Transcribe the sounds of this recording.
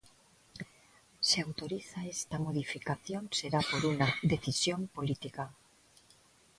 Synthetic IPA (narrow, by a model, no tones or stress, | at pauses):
seawt̪oɾiθaest̪amoð̞ifikaθjonseɾapoɾunad̪eθisjompolit̪ika